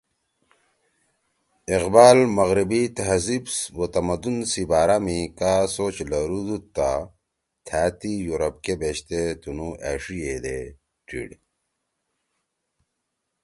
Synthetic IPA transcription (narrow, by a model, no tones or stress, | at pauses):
iqbaːlmɐɣɾibit̪ɦɐzibsbot̪ɐmɐd̪unsibaːɾamikasoːt͡ɕlɐɾud̪ut̪ːa̰ | t̪ʰaːt̪ijuɾɐp̚kebeɕt̪et̪unuʔaːʂijed̪e | ʈḭɽ